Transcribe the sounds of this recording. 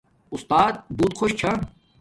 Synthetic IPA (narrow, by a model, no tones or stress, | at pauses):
ʊst̪aːt̪̚buːt̪xoɕt͡ɕʰã